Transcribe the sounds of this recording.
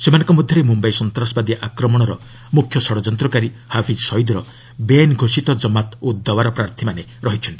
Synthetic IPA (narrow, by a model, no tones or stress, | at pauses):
semanɔ̃ŋkɔmɔd̪ʱjɔɾemumbajsɔnt̪ɾasɔbad̪iʔakɾɔmɔɽ̃ɔɾɔ̰ | mukʰjɔsɔɽɔd͡ʒɔnt̪ɾɔkaɾihapʰid͡ʒsɔjd̪ɾɔ | benɡʱosit̪ɔd͡ʒɔmat̪ud̪ːɔbaɾɔpɾaɾt̪ʰimaneɾɔɦit͡ʃʰɔnt̪i̥